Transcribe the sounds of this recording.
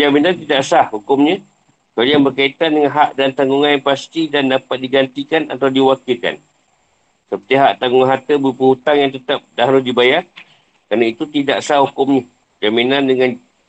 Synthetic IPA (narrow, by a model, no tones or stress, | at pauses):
d͡ʒaminant̪idaʔsahhukʊmɲə̃ | səaljaŋbərkait̪andəŋanɦaʔdant̪aŋɡuŋanjaŋpast̪idandapat̪̚diɡant̪ikanat̪awdiwakɪlka̰n | səpərt̪iɦaʔt̪aŋɡʊŋanɦat̪əbəpəhut̪aŋjaŋt̪ət̪ap̚daɦɾʊdibajar | kɾanait̪ut̪idaʔsahhukʊmɲə | d͡ʒaminandəŋan